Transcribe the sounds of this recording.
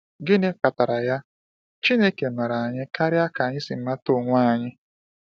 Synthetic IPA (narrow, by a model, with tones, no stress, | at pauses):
ɡɪ˦ne˦ka˨ta˨ɾa˨ja˦ | t͡ʃi˦ne˦ke˨ma˨ɾa˨a˨ɲɪ˦ka˦ɾɪ˦a˦ka˨a˨ɲɪ˦sɪ˨m̩˦ma˦to˦˨ŋʷa˦˨ɲɪ˦